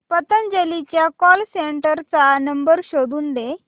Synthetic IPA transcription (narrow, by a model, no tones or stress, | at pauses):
pət̪ənd͡ʑelit͡ɕjakɔlseɳʈəɾt͡sanəmbəɾɕod̪uːnd̪e